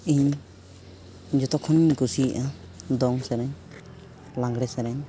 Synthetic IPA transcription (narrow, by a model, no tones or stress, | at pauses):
iɲ | ɲd͡ʒɔt̪ɔkʰːɔnɡusiʔa | d̪ɔŋsɛɾɛɲ | lãŋɡɽɛsɛɾɛɲ